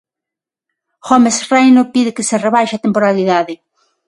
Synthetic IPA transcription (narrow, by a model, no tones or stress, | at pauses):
xɔmesrejnopiðɪkɪsɪreβajʃat̪empoɾaliðaðɪ